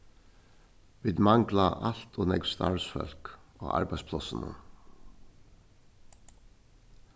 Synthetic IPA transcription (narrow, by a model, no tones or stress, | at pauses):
ʋiːðmaŋklaʔal̥t̪ɔnɛkst̪aɹsfœ̰l̥kɔɣa̰ɹpajspʰlɔsənə̰